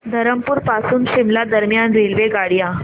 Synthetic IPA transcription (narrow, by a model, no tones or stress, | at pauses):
d̪ʱəɾəmpuɾpasuːnɕimlad̪əɾmjanɾelʋeɡaɽja